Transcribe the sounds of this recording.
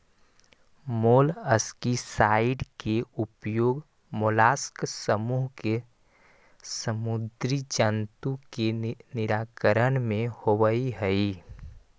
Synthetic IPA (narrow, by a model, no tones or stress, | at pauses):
moːləskisaɪɖkeupjoːɡ | molaːsksəmuːɦke | səmud̪ɾid͡ʒənt̪ukenɪɾaːkəɾənmẽhoʋəiɦəi